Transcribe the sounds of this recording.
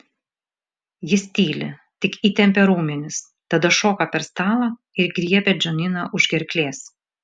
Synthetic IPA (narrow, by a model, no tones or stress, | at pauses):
jɪsʲt̪ʲiːlʲɪ̰t̪ʲɪkiːt̪ʲɛmʲpʲɛɾuːmʲɪnʲɪs | t̪ɐd̪ɐʃoːkɐpʲɛɾst̪ɑːlˠɐ | ɪɾɡɾʲiɛpʲɛd͡ʒʲɔnʲɪnɐʔʊʒɡʲɛɾʲklʲeːs